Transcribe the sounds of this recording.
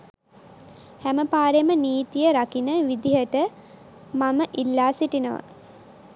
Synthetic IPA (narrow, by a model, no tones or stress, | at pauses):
hæməpaːɾeməniːt̪ijəɾakinəʋid̪iɦəʈə | maməʔilːaːsiʈinəʋə̰